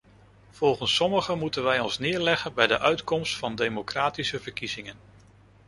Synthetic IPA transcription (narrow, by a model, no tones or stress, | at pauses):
v̥ɔlˠχənsɔməχəmutənʋɛjɔnsnɪːɹlɛχənbɛjdəʔœɥtkɔmstfɑndejmokraːtisəvəɹkiz̥ɪŋən